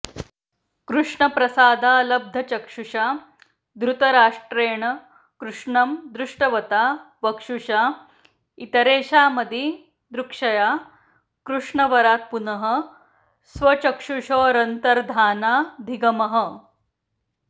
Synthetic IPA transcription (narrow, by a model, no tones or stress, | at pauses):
kɾuʂɳɐpɾɐsaːd̪ʱalɐb̚d̪ʱɐt͡ɕɐkʂuʂa | d̪ɾut̪ɐɾaːʂʈɾeːɳə | kɾuʂɳɐmd̪ɾuʂʈɐʋɐt̪a | ʋɐkʂuʂa | it̪ɐɾeːɕaːmɐd̪ʱi | d̪ɾukʂɐjaː | kɾuʂɳɐʋɐɾaːt̪̚punɐɦə̆ | sʋɐt͡ɕɐkʂuʂoːɾɐnt̪ɐɾd̪ʱaːnaːd̪ʱiɡɐmɐɦə